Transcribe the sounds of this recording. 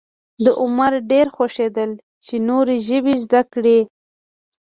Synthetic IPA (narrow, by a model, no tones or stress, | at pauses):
d̪əʔʊmaɾɖeɾxwaʃed̪əl | t͡ʃenoɾeʒəbizd̪akɽe